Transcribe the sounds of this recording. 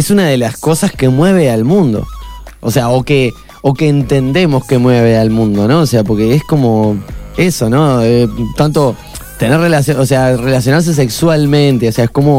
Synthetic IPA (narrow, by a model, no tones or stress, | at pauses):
esunaðe̞lasko̞saskemwe̞β̞ealmũnd̪o̞̰ | oseaoke | okeːnt̪e̞nd̪e̞mo̞ske̞mweβ̞ealmũnd̪o̞nõ̞oseapo̞ɾkeesko̞moesono̞et̪ant̪o̞ | t̪e̞nerre̞lasjooseare̞lasjo̞naɾs̬e̞s̬e̞kswalmẽnt̪eose̞aehko̞mo̞